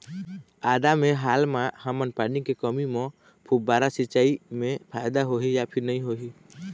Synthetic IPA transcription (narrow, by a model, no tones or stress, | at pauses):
aːd̪amẽɦaːlmahəmənpanikekəmimɔ̃ | pʰubaːɾasɪt͡ʃaːimẽpʰaːɪd̪aɦoɦijapʰɪɾnəĩɦoɦi